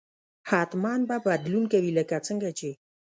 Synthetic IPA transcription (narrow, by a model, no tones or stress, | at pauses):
hat̪manbabad̪lunkəviləkat͡sʰəŋɡət͡ʃi